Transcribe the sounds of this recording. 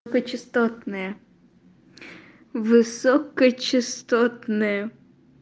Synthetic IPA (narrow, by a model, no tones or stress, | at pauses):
kɔt͡ʃɪst̪ɔt̪nɛɛ | ʋɪsɔkɔt͡ʃɪst̪ɔt̪nɛjɛ